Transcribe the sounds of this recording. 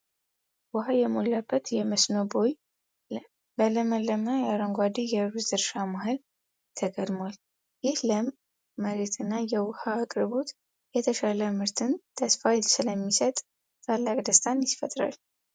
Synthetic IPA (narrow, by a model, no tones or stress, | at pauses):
wʊhajɛmolːabːət̪jɛməsnobo̞j | bələməlːəmajaɾəŋɡʷad̪ijɛɾuszɨɾʃamaɦɨl | t̪ʰəɡʼəd̪mwal | jɪhləmː | əɾet̪ʰɨnːajɛwʊhaːkʼɾbot̪ | jɛt̪ʰəʃaləmɨɾt̪ʰɨnt̪ʰəsfajsɨləmːisət̪ʼ | t̪ːʰʼalːakʼd̪əst̪ʰanjɪfət̪ʼɾa̰l